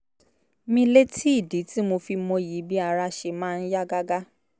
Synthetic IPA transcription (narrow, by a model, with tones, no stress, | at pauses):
mĩ˧le˦tʰi˦i˦˨di˨˦ti˦mo˧fi˧mõ˧ji˨˦bi˦a˧ɾa˧ʃe˧mãː˦˧n̩˦ja˦ɡa˦ɡa˦